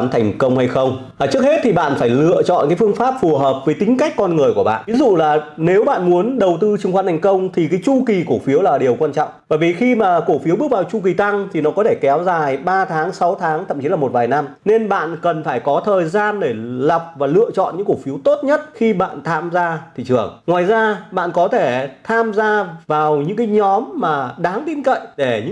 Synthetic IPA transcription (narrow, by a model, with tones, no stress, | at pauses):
nt̪ʰa˨˩ŋ̟kə˧wŋ͡mha˧jxə˧wŋ͡m | t͡ɕɨ˦ək̚he˦˥t̚t̪ʰi˨˩ɓa̰ː˧˨nfaː˧˩jlɨ̰˧ət͡ɕɔ̰˧˨nkaː˨˦jfɨ˧əŋfaː˦˥p̚fu˨˩ɦəː˨˩p̚vəː˨˦jt̪ï˨˦ŋ̟ka˦˥jk̟̚kɔ˧nŋɨ˨˩əjku˧˩əɓa̰ː˧˨ʔvi˨˦zṵ˧˨laː˨˩ne˨˦wɓa̰ː˧˨nmu˨˦ənɗə˨˩wt̪ɨ˧t͡ɕŋxwaː˧nt̪ʰŋ̟kə˧wŋ͡mt̪ʰi˨˩kaː˨˦jt͡ɕu˧ki˨˩ku˧˩fi˨˦əwlaː˨˩ɗi˨˩əwkwaː˧nt͡ɕɔ̰˧˨wŋ͡mvaː˧˨˩vi˨˩xi˧maː˨˩ko˧˩fi˨˦əwɓək̚va˨˩wt͡ɕu˧k̬i˨˩t̪a˧ŋt̪ʰi˨˩nɔ˨˦kɔ˨˦t̪ʰe˧˩kɛ˨˦wzaː˨˩jɓaː˧t̪ʰaː˨˦ŋsa˨˦wt̪ʰaː˨˦ŋt̪ə̰˧˨mt͡ɕi˨˦laː˨˩mo˨˩t̚vaː˨˩jna˧mne˧nɓa̰ː˧˨nkə˨˩nfaː˧˩jkɔ˨˦t̪ʰəː˨˩jzaː˧nɗe˧˩lə˨˩p̚vaː˨˩lɨ̰˧˨ət͡ɕɔ̰˧˨nɲɨ̰˧˥ŋku˧˩fi˨˦əwt̪o˦˥t̚ɲə˦˥t̚xi˧ɓa̰ː˧˨nt̪ʰaː˧mzaː˧t̪ʰḭ˧˨t͡ɕɨ̰˧˩əŋŋwaː˨˩jzaː˧ɓa̰ː˧˨nkɔ˨˦t̪ʰe˧˩t̪ʰaː˧mzaː˧vaː˨˩wɲɨ̰˧˥ŋkaː˨˦jɲɔ˨˦mːaː˨˩ɗaː˨˦ŋt̪i˧nkə̰˧˨jɗe˧˩ɲɨ̰˧˥